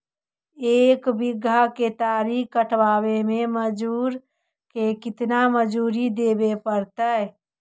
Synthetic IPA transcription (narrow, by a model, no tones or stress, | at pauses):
eːkbɪɡːaket̪aɾikəʈʰʋaːbemẽməd͡ʒuːɾ | kekɪt̪naməd͡ʒuɾid̪ebepəɾt̪ə